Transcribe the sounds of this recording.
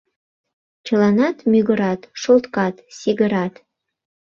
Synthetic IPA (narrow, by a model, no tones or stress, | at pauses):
t͡ʃə̆lɑnɑt̪mʲyɡəɾɑt̪ʃolˠt̪kɑt̪siɡəɾɑt̪